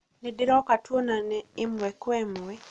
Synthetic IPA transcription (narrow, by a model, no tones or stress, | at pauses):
nɪdɪɾɔkatwonanɛɪmɛkwɛmwɛ